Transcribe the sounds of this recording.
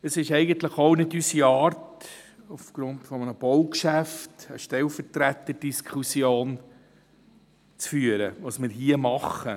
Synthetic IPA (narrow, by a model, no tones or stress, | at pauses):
əsɪʃɛɪɡənt̪ləχownɪdysiɑːrt | ufɡ̥ɾʊntfɔmənəb̥ɔʊkʃæftə̰ʃtɛlfəɾtɾæt̪ːəd̥iskʰusjoːn | t͡sfyːəɾəʋɑsmɪɾɦiəmɑχə